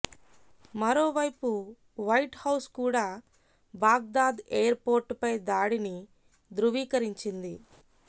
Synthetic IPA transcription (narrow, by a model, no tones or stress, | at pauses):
mɐɾoːʋɐjpu | ʋɐjʈhɐwskuːɽaː | baːɡ̚d̪aːd̪eːjɐɾpo̞ːɾʈpɐjd̪aːɽini | d̪ɾuʋiːkɐɾiɲt͡ʃind̪i